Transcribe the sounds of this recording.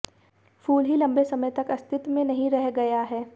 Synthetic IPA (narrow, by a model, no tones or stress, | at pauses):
fuːlɦilɐ̃mbesɐməjt̪ɐkɐst̪ʰɪt̪mẽnɐɦĩɾɛɦɡɐjaɦɛː